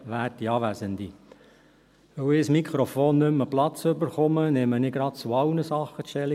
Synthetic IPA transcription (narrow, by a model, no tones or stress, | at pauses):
ʋæːɾtiɑːʋæzənd̪i | ʋɵwɪːsmikχɾofoːnːʏməplɑt͡sɵbəɾχʊmənɛmənɪɡ̥ɾɑt̚t͡suɑʊnəsɑχːəʃtɛli